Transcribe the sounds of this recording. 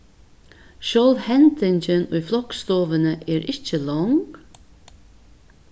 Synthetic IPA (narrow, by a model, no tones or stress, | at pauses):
ʃøːlʋhɛnt̪ɪnçənyːflɔkst̪oːʋənəʔeːɾʔɪt͡ʃəlɔŋɡ